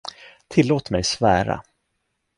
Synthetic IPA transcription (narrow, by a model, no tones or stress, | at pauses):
t̪ʰɪlːoːt̪mɛjsvæːɾa̰